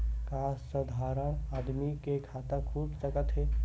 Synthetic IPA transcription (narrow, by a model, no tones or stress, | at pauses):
kaːsːəd̪ʱaːɾənaːd̪mikekʰaːt̪ãkʰuːbsəkət̪ɦɛ